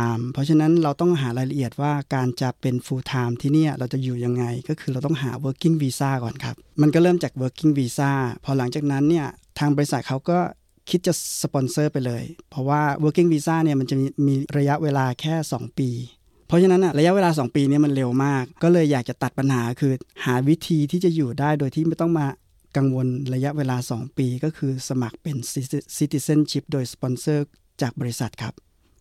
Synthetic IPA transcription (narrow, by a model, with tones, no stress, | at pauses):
mpʰɔ˦˥t͡ɕʰa˧na˦˥nɾa˧wt̪ɔ˥˩ŋɦaː˩˦ɾaː˧jla˧ʔi˨˩ət̪̚waː˥˩kaː˧nt͡ɕa˨˩pe˧nfuː˧t̪ʰaː˧mt̪ʰiː˥˩niː˥˩ɾa˧wt͡ɕa˨˩juː˨˩ja˧ŋːa˧jkɔː˥˩kʰɯː˧ɾa˧wt̪ɔ˥˩ŋɦaː˩˦wəː˦˥kːi˥˩ŋwiː˧saː˥˩kɔː˨˩nkʰa˦˥p̚ma˧nkɔː˥˩ɾɤː˥˩mt͡ɕaː˨˩k̚wɤː˦˥kːi˥˩ŋwiː˧saː˥˩pʰɔ˧˥la˩˦ŋt͡ɕaː˨˩k̚na˦˥nːi˥˩ɐ | t̪ʰaː˧ŋbɔː˧ɾi˧˥sa˨t̪̚kʰa˦˥wkɔː˥˩ | kʰi˦˥t̪̚t͡ɕa˨˩spɔ˧nsɤː˥˩pa˧jlɤː˧jpʰɔ˦˥waː˥˩wəː˦˥kːi˥˩ŋwiː˧saː˥˩ni˥˩ɐma˧nt͡ɕa˨˩˧miː˧ɾa˧ja˦˥ʔweː˧laː˧kʰɛː˥˩sɔː˩˦ŋpiː˧ | pʰɔ˦˥t͡ɕʰa˧na˦˥nːʔa˧˩ɾa˧ja˦˥ʔweː˧laː˧s̬ɔː˩˦ŋpiː˧ni˥˩ɐma˧nle˧wmaː˥˩k̚ːɔː˥˩lɤː˧jːaː˨˩k̚t͡ɕa˨˩t̪a˨˩t̪̚pa˧nhaː˩˦kʰɯː˧haː˩˦wi˦˥t̪ʰiː˧t̪ʰiː˥˩t͡ɕa˨˩juː˨˩daː˥˩jdoː˧jt̪ʰiː˥˩ma˥˩jt̪ɔ˥˩ŋmaː˧ | ka˧ŋwo˧nɾa˧ja˦˥ʔweː˧laː˧sɔː˩˦ŋpiː˧kɔː˥˩kʰɯː˧sa˧ma˨˩k̚pe˧nssi˦˥t̪i˧se˥˩nt͡ɕʰi˦˥p̚doː˧jspɔ˧nsɤː˥˩ | t͡ɕaː˨˩k̚bɔː˧ɾi˦˥sa˨˩t̪̚kʰa˦˥p̚